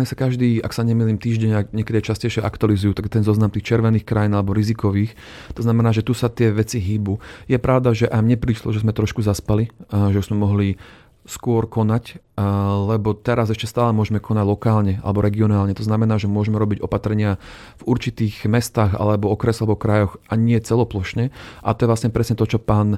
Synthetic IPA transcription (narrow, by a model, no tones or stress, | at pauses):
ɲisakaʒd̪iːa̰ksaɲɛmiliːmt̪iːʒɟɛɲakɲɛkɛd̪iat͡ʃascɛjʃɛʔa̰kt̪ʊalizujut̪akt̪ɛnzɔznamt̪iːxt͡ʃɛɾʋɛniːxkɾajiːnalɛbɔɾizikɔʋiːx | t̪ɔznamɛnaːʒɛt̪usat̪ɪɛʋɛt͡siɦiːbujɛpɾʔaʊd̪aʒɛʔajmɲɛpɾiːʃlɔ̰ʒɛzmɛt̪ɾɔʃkuzaspaliʒɛuz̥mɛmɔɦli | skʊɔɾkɔnac | lɛbɔt̪ɛɾazɛʃcɛst̪aːlɛmʊɔʒɛmɛkʰɔnaɟlɔkaːlɲɛʔa̰lɛbɔɾɛɡiɔnaːlɲɛt̪ɔznamɛnaːʒɛmʊɔʒɛmɛɾɔbiɟɔpat̪ɾɛɲɪa | v̥uɾt͡ʃit̪iːɣmɛst̪aːɣa̰lɛbɔɔkɾɛslɛbɔkɾajɔxʔaɲɪɛt͡sɛlɔplɔʃɲɛʔa̰t̪ɔjɛʋlasɲɛpɾɛsɲɛt̪ɔt͡ʃɔpaːn